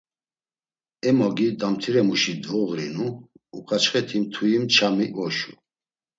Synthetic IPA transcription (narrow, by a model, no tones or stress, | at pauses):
ɛmɔɡid̪amt̪ʰiɾɛmuʃid̪ɔɣɾinuː | kʰat͡ʃχɛt̪ʰimt̪ʰuimt͡ʃʰamiʔɔʃu